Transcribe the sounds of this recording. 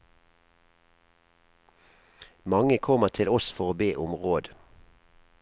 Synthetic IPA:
mɑŋəkʰɔməʁt̪ʰɪlɔsfɔʁoːbeːʔʊmʁoːd̪

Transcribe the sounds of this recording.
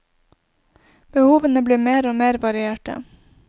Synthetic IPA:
b̥əhuːʋənəbliːmeːɾoːmeːɾʋɑɾɪeːʈə̰

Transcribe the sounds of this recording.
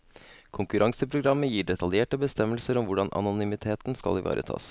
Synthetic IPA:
kʰʊŋkʉɾʔɑŋsəpʰɾʊɡɾɑmːəjiːɖɛt̪ɑljeːʈəbəst̪ɛməlsəɾɔmʋʊɖɑnʔɑ̰nʊnʏmɪt̪ʰeːt̪n̩skɑ̰lɪʋɑ̰ːɾʔə̰t̪ʰɑ̰ːs

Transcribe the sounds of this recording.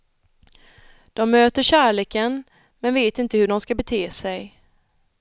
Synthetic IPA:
d̪̥ɔmːøːt̪əɕæːɭeːkən | mɛnveːt̪ɪnt̪əhɵɖɔmskabɛt̪ʰeːsɛj

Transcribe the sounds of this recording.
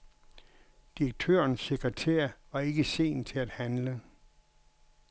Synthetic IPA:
d̥iɐɡ̥̚t͡sʰø̰ːɐnsːe̝ɡ̥ʁət͡sʰḛːɐʋɑ̈e̝ɡ̥əse̝̰ːnt͡sʰe̝læd̥hænlə

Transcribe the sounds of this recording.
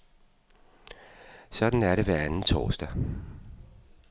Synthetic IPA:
sɒ̽d̥n̩æɐɾe̝ʋæɐænn̩t͡sʰɒ̰ːsd̥æ

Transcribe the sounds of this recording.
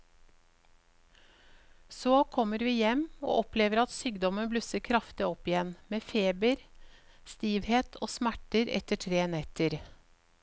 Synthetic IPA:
soːkʰɔməɾʋiːjɛmo̰ːʔɔpleːʋəɾɑt̪syːɡd̪ɔmənblʉsəkʰɾɑft̪ɪɔpɪjɛnmeːfeːbəɾ | st̪iːʋheːt̪ʰo̰ːsmæʈəɾɛ̰t̪əʈʰɾeːnɛt̪əɾ

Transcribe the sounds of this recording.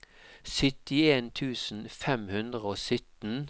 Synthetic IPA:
sʏt̪ɪeːnt̪ʰʉːsn̩fɛmhʉnd̪ʁəoːsʏt̪n̩

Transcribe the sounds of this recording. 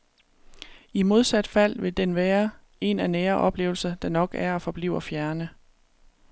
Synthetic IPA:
imo̝ð̞ˠsæd̥fæl̰ʋe̝d̥enʋæːɐ | e̝nænɛːɐʔɒ̽b̥le̝ːʊl̩sɐd̥ɑ̈nɒ̽ɡ̥æɐɒ̽fɒ̽b̥lḭʊ̰ɐfjæɐnə

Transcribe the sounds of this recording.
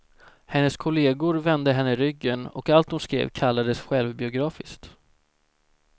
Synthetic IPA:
hɛnːəskʰʊleːɡʊɾvɛnd̪əɦɛnːəɾʏɡːənɔ̰kalt̪̚hʊnskɾḛːvkʰalːad̪əsɧɛlvbɪʊɡɾɑːfɪskt̪

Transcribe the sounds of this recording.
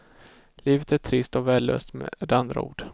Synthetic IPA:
liːvət̪æʈʰɾɪst̪ɔvɛːlːø̰ːst̪mɛ̰d̪ɛand̪ɾa̰ṵːɖ̥

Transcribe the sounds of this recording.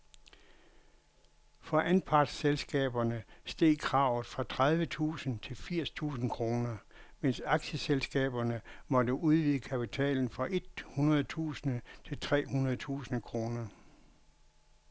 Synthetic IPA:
fɒ̽ʔænpʰɑ̈d̥selsɡ̥ɛ̰ːb̥ɐnəsd̥e̝̰ːkʰʁɑ̈ʊ̰ð̩ˠfʁɑ̈t͡sʰʁaðˠʋət͡sʰṵːsn̩t͡sʰe̝lfiɐ̰st͡sʰṵːsn̩kʰʁo̝ːnɐ | men̰sɑ̈ɡ̥ɕəselsɡ̥ɛ̰ːb̥ɐnəmɒ̽dəʔuð̞ˠʋiðˠəkʰæpit͡sʰɛ̰ːln̩fɒ̽ʔe̝d̥̚hunɐð̞̩ˠt͡sʰṵːsn̩t͡sʰe̝lt͡sʰʁɛ̰ːhunɐð̞ˠt͡sʰṵːsn̩kʰʁo̝ːnɐ

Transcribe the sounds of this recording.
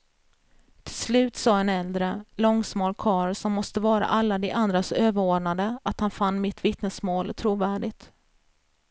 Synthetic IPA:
t̪ʰɪ̥lslʉ̟ːt̪sɑːɛnɛld̪ɾəlɔŋsmoːlkʰɑːɾsɔmːɔst̪əvɑːɾa̰ʔalːad̪ɛʔand̪ɾasøːvəɾoːɖɳad̪əat̪hanfanːmɪt̪vɪt̪nəsmoːlt̪ʰɾuːvæːɖɪɡt̪

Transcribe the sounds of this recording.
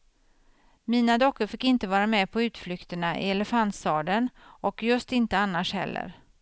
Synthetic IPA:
miːnad̪ɔkːəɾfɪkːɪnt̪əvɑːɾamɛpʰɔʉ̟ːt̪flʏkt̪əɳaʔɪ̰ɛləfant̪st̪ɑːd̪ənʔɔkjɵst̪ɪnt̪əanːaʂhɛ̰lːə̰ɾ

